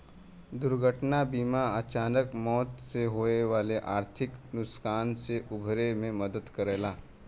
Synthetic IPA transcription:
d̪ʊɾɡʱəʈnabiːmaət͡ʃaːnəkmɔːt̪seɦoːeʋaːleʔaːɾt̪ʰɪknʊskaːnseʔʊbʱɾemẽməd̪əd̪kəɾeːlaː

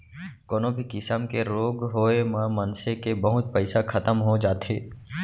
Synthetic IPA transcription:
koːnõbʱikɪsəmkeɾoːɡɦoːemãmɐnsekebəɦʊt̪̚pəɪsakʰɐt̪əmɦod͡ʒaːt̪eː

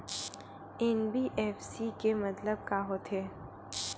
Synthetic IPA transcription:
ɛːnbiʔɛːfsikemɐt̪ləb̚kaɦot̪ʰeː

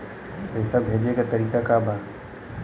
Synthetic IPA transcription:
ɪsabʱeːd͡ʒekat̪ɐɾiːkakabʱaː

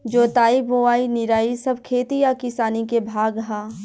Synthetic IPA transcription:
d͡ʒoːt̪aːiboaːinɪɾaːisɐb̚ʱkʰeːt̪ijakɪsaːnikebʱaːɡɦaː

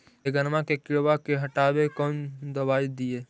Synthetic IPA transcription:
eɡənmãkekɪɾʋakeɦɐʈaːbekɔːnd̪əbaːid̪ijeː

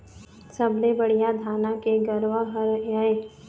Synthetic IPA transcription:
sɐblebɐɽijad̪ʱaːnakeɡəɾʋaɦɐɾaeː

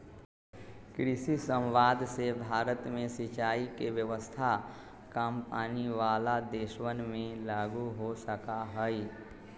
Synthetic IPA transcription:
kɾɪsisə̃mʋaːd̪sebʱaːɾət̪mẽsɪt͡ʃaːikeʋjəʋəst̪ʰa | kampaːniʋaːlad̪eːʃwənmẽlaːɡuɦosəkaɦəi

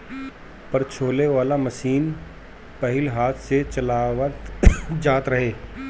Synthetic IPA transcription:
pɐɾt͡ʃʰoːleʋaːlamɐʃiːn | pɐɦɪlɦaːt̪ʰset͡ʃɐlaːʋət̪d͡ʒaːt̪ɾɐɦeː

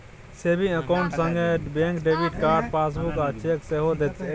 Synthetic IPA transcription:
seːbĩːəkoʊɳʈsə̃ŋɡeːbẽːŋkɖeːʋiːʈkaːɾɖpaːs̬buːkaːt͡ʃʰeːkseːɦoːd̪et̪e

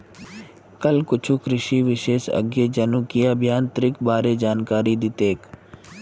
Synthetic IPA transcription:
kəlkʊt͡ʃʰukɾɪʃiʋɪʃeːʃə̰ɡjed͡ʒənũːkijaːbʱjaːnt̪ɾɪkbaːɾed͡ʒaːnkaːɾid̪ɪt̪eːk

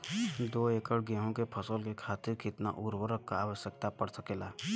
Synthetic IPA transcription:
d̪oːeːkəɽɡɛ̃ːɦõkepʰəsəlkekʰaːt̪ɪɾkɪt̪na̰ʔʊɾwəɾəkːaaːʋəʃjək̚t̪apəɽsəkeːlaː

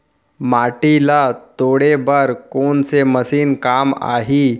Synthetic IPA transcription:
maʈilat̪oɽebəɾkoɳt͡seməsiːnkama̰ɦi

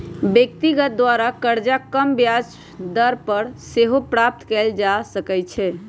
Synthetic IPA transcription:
bjek̚t̪iɡət̪̚d̪waɾakəɾd͡ʒakəmbjad͡ʒ | d̪əɾpəɾseɦopɾap̚t̪kɛld͡ʒasəkɛt͡ʃʰɛ

